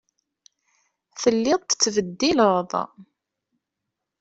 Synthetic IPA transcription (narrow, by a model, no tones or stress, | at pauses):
θəlːɪðˤt̪ət͡sːvəd̪ːiləðˤ